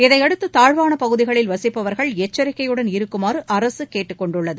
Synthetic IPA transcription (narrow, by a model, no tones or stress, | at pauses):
ɪðɐɪɐɽɯt̪ːɯt̪aːɻʋaːnɐpɐɣɯðɪɣɐɭɪlʋɐsɪpːɐʋɐɾɣɐɭɛt͡ʃːɐɾɪkːɐjɯɽɐnɪɾɯkːɯmaːrɯʔɐɾɐsɯkeːʈːɯkːɔɳɖɯɭːɐðɯ